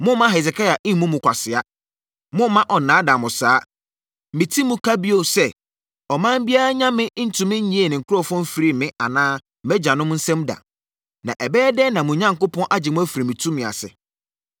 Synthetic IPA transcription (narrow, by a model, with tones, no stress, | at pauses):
mʊ̃˦mã˦ɦɛ˨s̬ɛ˨kʰa˦a˨ʔɪ̃˦mũ˦mʊ̃˨kʷʰa˨sɪ˨a˦ | mʊ̃˦mã˦ʔɔ˨nãː˨˦dã˨mʊ̃˨saː˨˦˨ | mĩ˨tʰi˦mʊ̃˦kʰa˦bi˦o˨sɛ˦ | ɔ˨mã˦m̩˦bi˦a˦ɾa˦ɲã˦mɪ̃˦n̩˦tʰũ˨mɪ̃˦ɲ̩˦ɲĩ˦e˨nɪ̃˨ŋ̩˨kʰʊ˦ɾɔ˦fɔ̃˦m̩˦fi˨˦ɾi˦˨mɪ̃˦a˨nãː˦ | m̩˦mɛ˦d͡ʑã˨nʊ̃˦m˦n̩˦sɛ̃˦mda̰˨ | nã̰˨ʔɛ˨bɛː˦dɛ˦nã˨mʊ̃˨ɲã˦ŋkʊ˦pʰɔ̃˦nʔa˦d͡ʑɪ˨mʊ̃˦æ˦fi˨ɾi˨mĩ˨tʰũ˦mɪ̃˨a̰˨sɪ̰˨